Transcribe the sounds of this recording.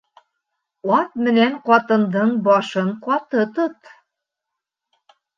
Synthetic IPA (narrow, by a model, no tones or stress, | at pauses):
ɑt̪̚mɘ̆nænqɑt̪ɤ̆nd̪ɤ̆nbɑʃɤnqɑt̪ɤ̆t̪ɤ̆t̪